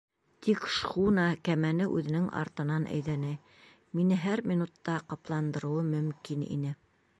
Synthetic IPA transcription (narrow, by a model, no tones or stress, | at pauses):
t̪ikʃχunɑkæmænɘʔʉ̰ðɘ̆nɘŋʔɑ̰ɾt̪ɤ̆nɑnʔæ̰jðænɘ | minɘɦæɾminut̪ːɑqɑplˠɑnd̪ɤ̆ɾɤ̆wɤmɵ̆mkinḭnɘ